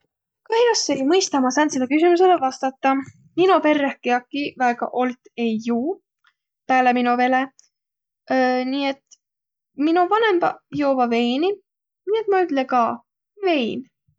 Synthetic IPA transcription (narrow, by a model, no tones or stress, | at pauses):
kɑhijɑsːe̞jmɤjst̪ɑmɑsɑnselːekys̬imuse̞levɑst̪ɑt̪ːɑ | minope̞rːehkeɑkːˑivæeɡ̥ɑ̰ʔo̞lt̪ˑe̞jːuː | pæːleminove̞le | nie̞t̪ | minuvɑne̞mb̥ɑjoːvɑve̞jni | niːe̞t̪mɑyt̪ˑlekɑ | ve̞jn